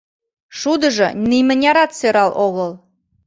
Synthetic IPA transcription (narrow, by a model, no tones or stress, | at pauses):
ʃud̪ə̆ʒɤ̰̆nimʲənʲɑɾɑt̪søɾɑlˠʔoɣəlˠ